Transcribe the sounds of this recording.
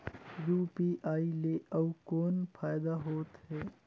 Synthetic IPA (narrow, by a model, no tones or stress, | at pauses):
juːpiːʔaːileʔɐwkoːnpʰaːjd̪aɦoːt̪ɦɛː